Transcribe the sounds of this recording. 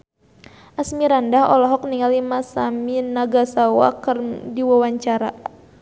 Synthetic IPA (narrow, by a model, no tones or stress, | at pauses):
ʔasmiɾandahɔ̰lɔɦɔk̚niŋalimasaminaɡasawa̰kɨrdiwawaɲt͡ʃaɾa